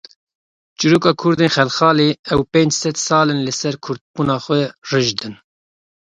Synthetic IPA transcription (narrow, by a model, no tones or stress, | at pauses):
t͡ʃɨɾuːkɑːkʰʊɾd̪eːnxɛlxɑːleːɛwpẽːnd͡ʒsɛd̪sɑːlɨnlɨsɛɾkʰʊɾd̪̚buːnɑːxʷɛrɨʒd̪ɨn